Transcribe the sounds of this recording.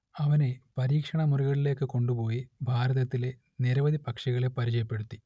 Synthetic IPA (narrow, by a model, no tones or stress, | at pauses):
ɐʋɐne̞pɐɾiːkʂɐɳɐmuriɣɐɭile̞ːkːɨkoɳɖupo̞ːjibʱaːɾɐðɐt̪ːile̞ | niɾɐʋɐd̪ipɐkʂɐɣɐɭe̞pɐɾit͡ɕɐjɐpːe̞ɽut̪ːi